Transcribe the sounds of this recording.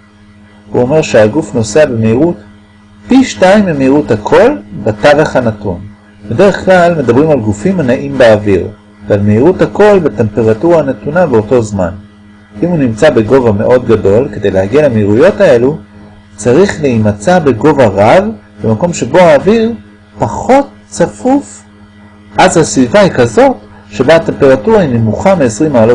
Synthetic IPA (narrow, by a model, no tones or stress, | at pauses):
hṵo̞me̞ʁʃeaɡufno̞seabemeiʁut | piʃtaimemeiʁuthakʰo̞lbetaveχhanatun | bede̞ʁeχklalme̞dabʁimalɡufimanaʔimbeːviʁ | vealmeiʁuthako̞lbete̞mpeʁatuʁaanetunabeoto̞zman | ʔimhunimt͡sabe̞ɡo̞vame̞ʔo̞dɡado̞lke̞de̞jlehaɡialameiʁujo̞tae̞lu | t͡saʁiχleimat͡sabe̞ɡo̞vaʁav | be̞mako̞mʃe̞bo̞haːviʁ | paχo̞t̚ | t͡safuf | ʔazhasvivahikazo̞t | ʃe̞baate̞mpe̞ʁatuʁainemuχameːsʁimaalo